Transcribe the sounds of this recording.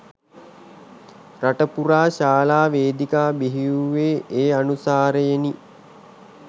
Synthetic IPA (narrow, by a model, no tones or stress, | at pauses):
raʈəpuɾaːʃaːlaːʋeːd̪ikaːbiɦiuʋeːeːanusaːɾəjeni